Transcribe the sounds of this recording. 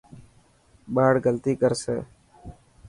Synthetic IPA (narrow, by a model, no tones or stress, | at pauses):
ɓaːɽɡəlt̪iːkəɾsḛː